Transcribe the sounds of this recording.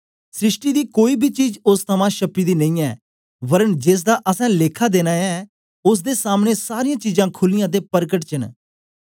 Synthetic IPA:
sɾɪsʈiːd̪iːkoːiːbʱiːt͡ʃiːd͡ʒʊst̪ʰəmãːʃəpːiːd̪iːnəĩːɛː | bəɾənd͡ʒeːs̬d̪aːʔəsɛ̃ːleːkʰaːd̪eːnaːɛː | ʊs̬d̪eːsaːmneːsaːɾijãːt͡ʃiːzãːkʰʊlɪjãːt̪̬eːpəɾkəʈt͡ʃən

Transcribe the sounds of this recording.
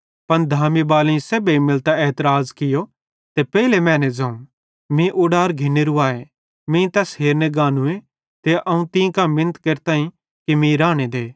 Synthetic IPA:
pɐnd̪ʱaːmibaːlẽĩsebeimɪlt̪aɛːt̪əɾaːzkɪjo | t̪epɛːilemɛ̃ːnɛd͡zɐ̃ũ | mĩʔʊɖaːɾɡʱɪneɾuaːe | mĩt̪ɐsɦeːɾneɡaːnũẽ | t̪eʔɐũt̪ĩːkamɪnət̪keɾt̪aːĩ | kimĩɾaːɽ̃ed̪eː

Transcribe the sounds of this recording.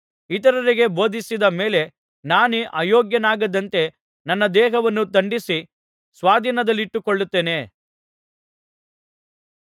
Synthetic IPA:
it̪ɐɾɐɾiɡe̞bo̞ːd̪ʱisid̪ɐme̞ːle̞ | naːnuʔaːjoːɡjɐnaːɡɐd̪ɐnt̪e̞ | nɐnːɐd̪ɛːɦɐʋɐnːut̪ɐɳɖisi | sʋaːd̪ʱiːnɐd̪ɐlːiʈːukɔɭːut̪ːeːne̞ː

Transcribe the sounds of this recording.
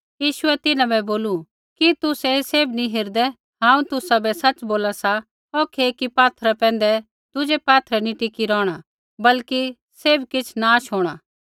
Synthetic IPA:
jiːʃʊɛt̪ɪnãbɛboːlu | kit̪ʊsɛseːbniɦɪɾd̪ɛ | ɦãːũt̪ʊsabɛsɐt͡ʃboːlasa | okʰeːkipaːt̪ʰɾapɛ̃ːnd̪ɛ | d̪̥ʊd͡ʒepaːt̪ʰɾɛniʈɪkiɾɔːɽ̃a | bɐlki | seːbkɪt͡ʃʰnaːʃɦoːɽ̃aː

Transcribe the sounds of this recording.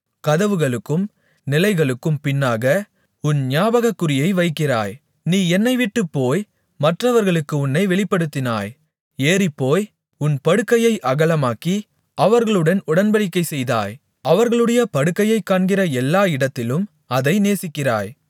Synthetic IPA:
kɐðɐʋɯɣɐɭɯkːɯm | nɪlɐɪɣɐɭɯkːɯmpɪnːaːɣɐ | ʊnɲjaːbɐɣɐkːɯrɪjɐɪʋɐɪkːɪra̰ːj | niːɛnːɐɪʋɪʈːɯpːoːj | mɐʈrɐʋɐɾɣɐɭɯkːɯʊnːɐɪʋɛɭɪpːɐɽɯt̪ːɪna̰ːj | eːrɪpːoːj | ʊnpɐɽɯkːɐjɐɪʔɐɣɐlɐmaːki | ɐʋɐɾɣɐɭɯɽɐnʊɽɐnbɐɽɪkːɐɪsɛjða̰ːj | ɐʋɐɾɣɐɭɯɽɐjɐpɐɽɯkːɐjɐɪkːaːɳɡɪrɐɛlːaːɪɽɐt̪ːɪlɯm | ɐðɐɪneːsɪkːɪra̰ːj

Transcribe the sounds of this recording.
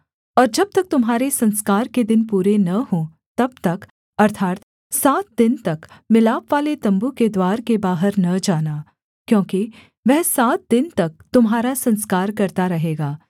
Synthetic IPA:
ɔːɾd͡ʒɐb̚t̪ɐk̚t̪ʊmɦaːɾesɐ̃nskaːɾked̪ɪnpuːɾenɐɦõ | t̪ɐb̚t̪ɐk | ɐɾt̪ʰaːt̪ | saːt̪̚d̪ɪnt̪ɐkmɪlaːpʋaːlet̪ɐ̃mbuked̪waːɾkebaːɦəɾnɐd͡ʒaːnaː | kjõːki | ʋɛɦsaːt̪̚d̪ɪnt̪ɐk̚t̪ʊmɦaːɾasɐ̃nskaːɾkɐɾt̪aɾɐɦeːɡaː

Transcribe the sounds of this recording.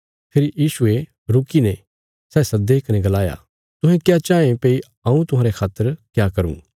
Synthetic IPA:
pʰeːɾijiːsʊe | ɾʊkinɛ̃ | sɛːsɐd̪eːkɐnẽɡɐlaːja̰ | t̪ʊ̃ɦɛ̃kjat͡ʃaːẽpeːi | ãːũt̪ʊɦãːɾekʰaːt̪ːəɾkjakɐɾṵ̃ː

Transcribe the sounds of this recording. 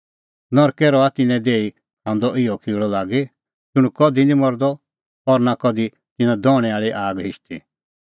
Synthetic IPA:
nɔɾkɛɾɔat̪ɪnɛ̃d̪eːi | ɦãnd̪ɔʔɪjɔkʰiːɭɔlaːɡi | d͡ʒʊɽ̃ukɔd̪inĩmɔɾd̪ɔ | ɔɾnakɔd̪i | t̪ɪnãd̪ɔːɽ̃ɛaːɭiʔaːɡɦɪʃt̪i

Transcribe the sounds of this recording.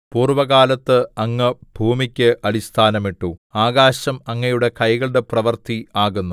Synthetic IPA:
puːrʋɐɣaːlɐt̪ːɨɐŋːɨb̥ʱuːmikʲːɨʔɐɭist̪ʰaːnɐmiʈːuaːɣaːɕɐmɐŋːɐjuɽe̞kɐjɣɐɭɨɽe̞prɐʋɐrt̪ʰiaːɣunːu

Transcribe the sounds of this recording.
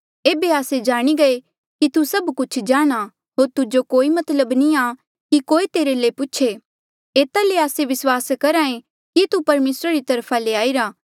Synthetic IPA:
eːbeaːsed͡ʒaːɽ̃iɡɐe | kit̪usɐbkʊt͡ʃʰd͡ʒaːɽ̃a | ɦoːɾt̪ʊd͡ʒokoːimɐt̪ləbniaː | kikoːit̪eːɾelepʊːʃʰe | eːt̪aleaːseʋɪswaːskɐɾãːẽ | kit̪upɐɾmeːsɾaɾit̪ɐɾpʰaleaːiɾaː

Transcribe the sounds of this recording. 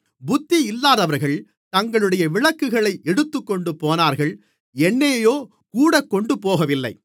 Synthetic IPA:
bʊt̪ːiɪlːaːðɐʋɐɾɣɐɭ | t̪ɐŋɡɐɭɯɽɐjɐʋɪɭɐkːɯɣɐɭɐɪʔɛɽɯt̪ːɯkːɔɳɖɯpːoːnaːɾɣɐɭ | ɛnːeːjoː | kuːɽɐkːɔɳɖɯpoːɣɐʋɪlːɐ̰ɪ

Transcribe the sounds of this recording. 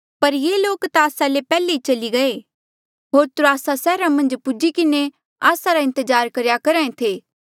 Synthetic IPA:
pɐɾjeːloːkt̪aːsalepɛːleit͡ʃɐliɡɐe | ɦoːɾt̪ʊɾoaːsasɛːɾamɐ̃nd͡ʒpʊd͡ʒikɪne | aːsaɾaɪ̃nt̪əzaːɾkɐɾjakɐɾãːẽt̪ʰeː

